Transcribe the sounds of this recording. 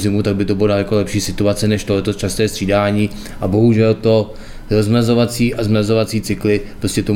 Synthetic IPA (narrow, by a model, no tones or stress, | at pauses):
zɪmut̪aɡ̚bɪt̪obɪlonaljakolɛpʃiːsɪt̪uat͡sɛnɛʃt̪olɛt̪ost͡ʃast̪ɛːst̪r̥iːdaːɲiː | ʔabo̞ɦuʒɛlt̪o̞ | ɾozmazo̞vat͡siːʔazmɾazo̞vat͡siːt͡sɪklɪppɾo̞scɛt̪o